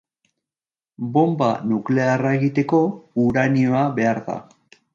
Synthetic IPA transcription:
bo̞mba̰nukle̞arae̞ɣit̪e̞ko̞uɾanio̞aβe̞aɾða̰

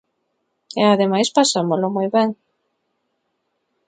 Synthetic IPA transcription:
eaðemajspasamozlomojβɛŋ

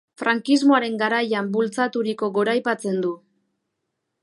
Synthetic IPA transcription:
fɾaŋkizmoaɾe̞ŋɡaɾajambult͡sat̪uɾiko̞ɡo̞ɾajpat͡se̞nd̪u

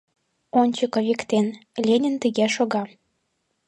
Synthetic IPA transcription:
onʲt͡ɕəkoβʲikt̪enlʲenʲənt̪iɣeʃoɣɑ

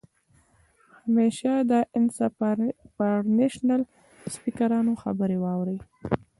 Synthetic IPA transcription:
hameʃad̪əɪnsapaɾneʃnal | spikaɾɑnoxa̰bəɾewɑwɾəj

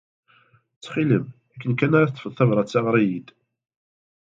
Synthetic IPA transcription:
t͡sːχiləm | ækːənkænaɾˤɑθt̪ˤə̥fəðˤθævɾˤɑt͡sːɑʁɾˤijid̪

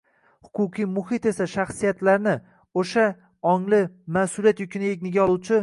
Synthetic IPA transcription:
hʊ̥qʰʊqʰijmʊhɪt̪e̞saʃaχsijat̪laɾnɪ | oʃa | ɒŋlɪmasʊlijat̪jʊkʲʰɪnɪeɡʲnɪɡʲaɒlˠuwt͡ʃʰɪ

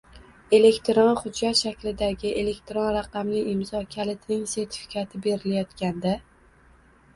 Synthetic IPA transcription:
e̞le̞kʲt̪ʰɾɒnχʊd͡ʒːat̪ʃakʲlɪd̪aɡʲɪʔe̞le̞kʲt̪ʰɾonɾɑqɑmlɪɪmzɒkʲʰalɪt̪ʰnɪŋse̞ɾt̪ʰɪ̥fɪ̥kʰʲat̪ʰɪbe̞ɾɪlajɒt̪kʲand̪a

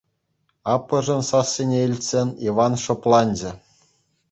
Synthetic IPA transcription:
ɑpːɤ̆ʐɤ̆nsɑsʲːenʲeilʲtʲsʲenʲiʋɑnʂŏplˠɑnʲd͡ʑɘ̆

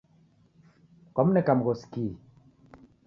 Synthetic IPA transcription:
kɔmnɛkamɣoski

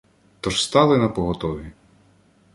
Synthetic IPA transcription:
t̪ɔʒst̪ɑlˠɪnɐpɔɦɔt̪ɔʋʲi

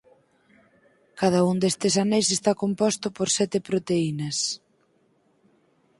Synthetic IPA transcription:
kað̞ɐuŋd̪est̪esanejsest̪akompɔst̪ʊpoɾsɛt̪ɪpɾot̪einɐs

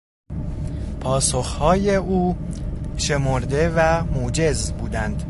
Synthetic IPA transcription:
pʰɒːsoxhɒːjeuː | ʃe̞moɾd̪e̞væmod͡ʒe̞zbuːd̪ænd̪̥

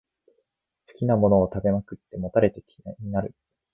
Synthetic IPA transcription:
sɨ̥kʲinamo̞no̞ːt̪abe̞makɯ̟t̪ːe̞mo̞t̪aɾe̞t̪e̞kʲ | ɲinaɾɯ̟

